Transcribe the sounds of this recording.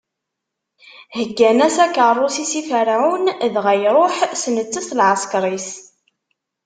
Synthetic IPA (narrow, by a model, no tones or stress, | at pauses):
həɡːænæsækərˤːosisifəɾʕunðʁæjɾˤoħsnət͡sːəslʕəskɾˤis